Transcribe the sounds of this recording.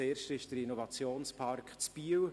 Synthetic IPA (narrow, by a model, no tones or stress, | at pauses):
eːɾʃtɪʃd̥əɾinɔvɑt͡sjoːnspʰɑrkt͡sb̥iəw